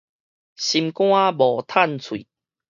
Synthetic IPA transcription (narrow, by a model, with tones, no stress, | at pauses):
ɕi˧mkw̃ã˦bɔ˨˩t̪ʰa˥˨nt͡sʰwḭ˨